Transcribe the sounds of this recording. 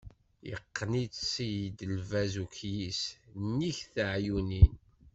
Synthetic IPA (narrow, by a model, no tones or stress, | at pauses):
jə̰qːnit͡ssijid̪əlvæzukjisnːiçθəʕjunin